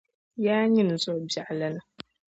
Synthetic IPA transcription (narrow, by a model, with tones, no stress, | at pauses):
jaː˦ɲɪ˦n˨zʊ˦˨ʔʊ˨bja˨ʔla˦na˨